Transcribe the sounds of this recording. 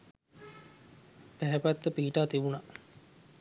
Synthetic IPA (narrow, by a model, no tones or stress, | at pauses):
pæɦɛpæt̪ːəpiːʈaːt̪ibuna